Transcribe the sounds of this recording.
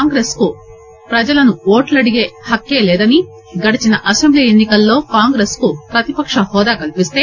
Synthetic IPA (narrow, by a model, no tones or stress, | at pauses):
aːŋɡɾe̞ːsku | pɾɐd͡ʒɐlɐnuoːʈlɐɽiɡe̞ːhɐkːe̞ːlɛːd̪ɐni | ɡɐɽit͡ʃinɐʔɐsembliːenːikɐlːo̞ːkaːŋɡɾe̞ːskupɾɐt̪ipɐkʂɐhɔːd̪aːkɐlipist̪e̞ː